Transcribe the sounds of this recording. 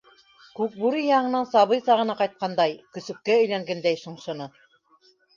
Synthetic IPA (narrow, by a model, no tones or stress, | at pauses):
kʉk̚buɾijɑɴɤ̆nɑnsɑβɤjsɑʁɤ̆nɑqɑjt̪̚qɑnd̪ɑjkɵ̆sɵ̆p̚kæɵ̆jlæŋɡænd̪æjʃŏɴʃɤ̆nɤ